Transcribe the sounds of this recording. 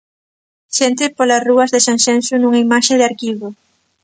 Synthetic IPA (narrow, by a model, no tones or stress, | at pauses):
ʃent̪̬ɪpolasruɐzðesãnsensunũŋaimaʃeðɪaɾkiβo